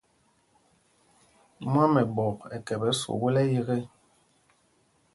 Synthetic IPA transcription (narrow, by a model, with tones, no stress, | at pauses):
m˦a˦mɛ˨bɔ˨kɛ˨kɛ˨bɛ˨˦so̰˨ɣo˦lɛ˦je˦ɣɛ˦